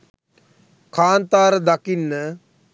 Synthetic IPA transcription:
kʰaːnt̪aːɾəd̪akinːə

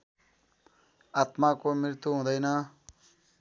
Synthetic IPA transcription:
at̪makomiɾt̪uɦũd̪ʌjnʌ

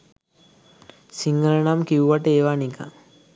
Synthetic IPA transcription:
siŋɡələnamkiuʋaʈəeːʋanika̰ŋ

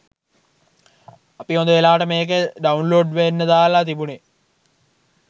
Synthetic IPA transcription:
ɐpiond̪eːlaːʈɐmeːk̬əɖɐunloːɖʋenːɐd̪aːlat̪ibune

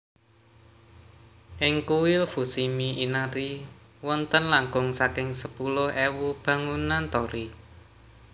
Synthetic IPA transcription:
ʔɪŋkuwɪlfusimiʔinaɾi | wɔnt̪ənlaŋɡʊŋsakɪŋsəpulʊhewub̥ä̤ŋunant̪ɔɾi

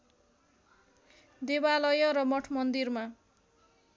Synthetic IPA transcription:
d̪ebalʌjʌɾʌmʌʈʰmʌnd̪irma

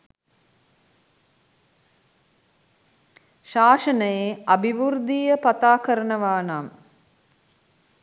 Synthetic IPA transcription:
ʃaːʂənəjeabiʋurd̪iːjəpat̪aːkəɾənəʋaːnam

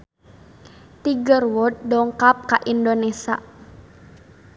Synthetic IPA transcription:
t̪iɡərwɔt̪̚dɔŋkap̚kaʔindonesa

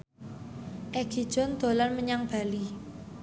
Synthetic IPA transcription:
ʔɛɡ̥i̤d̥ʒ̥ɔ̤nd̪̥o̤lanməɲaŋb̥a̤li

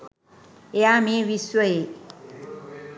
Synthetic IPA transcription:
eamẽʋiswəe

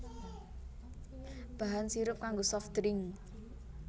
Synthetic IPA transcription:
b̥aɦansiɾʊp̚kaŋɡosɔft̪ɾɪŋ

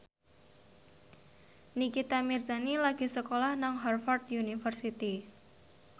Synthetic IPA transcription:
nikit̪amirzanilaɡ̥i̤səkolahnaŋɦarfart̪junifərsit̪i

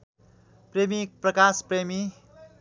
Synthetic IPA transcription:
premiprʌkaspremi

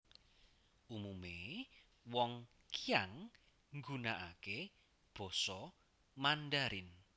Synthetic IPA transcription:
ʔumume | wɔŋ | kijaŋ | ŋɡunaʔake | b̥ɔ̤sɔ | manɖaɾɪn

